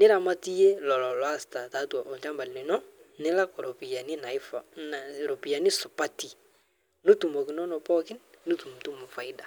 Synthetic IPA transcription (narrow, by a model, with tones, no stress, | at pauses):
nɪ˦ɾa˨ma˦ti˦je˦lɔ˨lɔ˨lɔ˨a˦sta˨ta˨˦tu˨a˨ʔo˨t͡ʃa˦mba˨lni˨nɔ˦nɪ˦la˦kɔ˨ɾo˨pi˨ja˨ni˦na˨˦fna˨ɾo˨pi˨ja˨ni˦sʊ˨pa˦ti˨ | nu˦tu˨mo˨kɪ˨nɔ˦nɔ˨pɔ˦kɪ˦nnu˦tu˨m˨tu˦mo˨fa˨i˦da˨